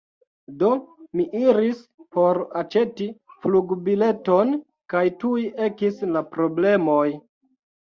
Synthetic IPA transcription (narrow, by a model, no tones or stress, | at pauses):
do̞miʔiɾispo̞ɾat͡ʃe̞tifluɡbile̞to̞n | kajtuiʔe̞kislapɾo̞ble̞mo̞j